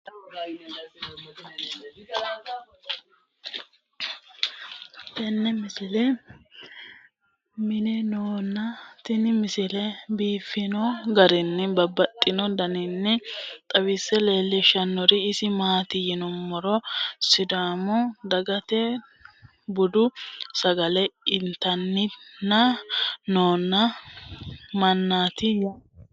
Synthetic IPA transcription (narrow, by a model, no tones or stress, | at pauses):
t̪ɛnːɛmɪsɪlɛ | mɪnɛnoːnːɐt̪ɪnɪmɪsɪlɛbiːfːɪnɔɡɐɾɪnːɪbɐbːɐt̪ʼːɪnɔd̪ɐnɪnːɛt̪ʼɐwɪsːɛle̞ːlːɛʃɐnːɔɾɪːsɪmaːt̪ɪjɪnɔmːɔɾɔsɪd̪aːmɔd̪ɐɡɐt̪ɛ | bʊd̪ʊsɐɡɐlɛɪnt̪ɐnːɪnːɐnoːnːɐ | mɐnːaːt̪ɪj